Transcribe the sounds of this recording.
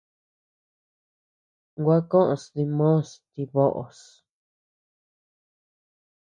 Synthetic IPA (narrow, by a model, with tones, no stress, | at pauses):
ɡʷa˦kõ˦ʔõ˨sði˧mõ˦˨st̪i˧βo˦ʔo̰˨s